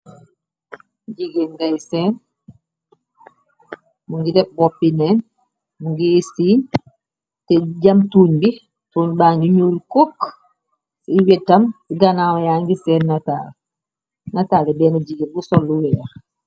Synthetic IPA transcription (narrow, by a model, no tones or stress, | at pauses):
ɟiɡenɡajsɛːn | muŋɡilɛp̚bɔpːinɛn | muŋɡisiːn | tɛɟamtuːɲbi | tunbaːŋɡiɲuːlkok | siwɛtːambiɡanawajaŋɡisɛnːata̰ːl | natalɛbɛːnaɟiɡenbusɔlːuwɛːɾ